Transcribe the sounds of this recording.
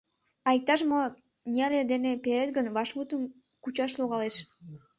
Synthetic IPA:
ɑjk̚t̪ːɑʃ̬mo | nʲialʲed̪enepeɾet̪̚ɡə̆nβɑʃmut̪um | kut͡ɕɑʃ̬lˠuʁɑlˠeʃ

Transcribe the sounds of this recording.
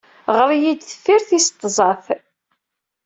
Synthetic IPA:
ʁəɾˤijid̪θəfːiɾθist̪ˤːzˤɑθ

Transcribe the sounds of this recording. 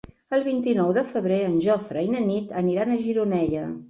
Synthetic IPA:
əlˠβint̪inɔwðəfəβɾeənʲʒɔfɾəjnənit̪əniɾanəʒiɾunɛʎə

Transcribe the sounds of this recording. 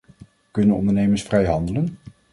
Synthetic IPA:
kɵnənɔ̰ndəɹnejməɹsfrɛjɦɑndələn

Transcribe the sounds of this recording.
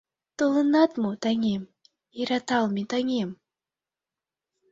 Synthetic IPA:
t̪olˠɨnat̪mut̪aŋʲɛm | iɾat̪alˠmʲit̪aŋʲɛm

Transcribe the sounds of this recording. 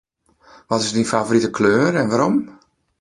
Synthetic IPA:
ʋɔtɪsdinfaːvoɾitəkʰløːɾɛnʋaɾɔm

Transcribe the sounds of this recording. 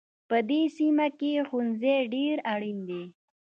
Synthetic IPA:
pəd̪esimakexunzeɖeɾaɽind̪e

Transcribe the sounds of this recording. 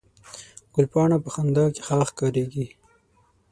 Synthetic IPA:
ɡ̥ʊlpɑːɳapəxand̪ɑke̥xɑːxkɑːɾeɡi

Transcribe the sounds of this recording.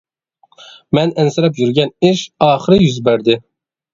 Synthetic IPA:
mɛnɛnsɨɾɛpjyɾɡʲɛnɪʃɑːχɨɾɨjyzbæɾd̪ɪ

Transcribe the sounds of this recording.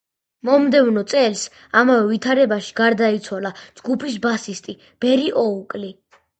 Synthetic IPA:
mɔmd̪ɛvnɔt̪sʼɛls | amavɛvit̪ʰaɾɛbaʃi̥ɡaɾd̪ait̪sʰwaladd͡ʒɡupʰis̬basist̪ʼi | b̥ɛɾiʔɔukʼli

